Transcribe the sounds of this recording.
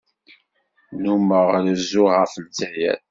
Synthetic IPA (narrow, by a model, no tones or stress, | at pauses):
numəʁləzʊʁəfənt͡sæjæ̰ð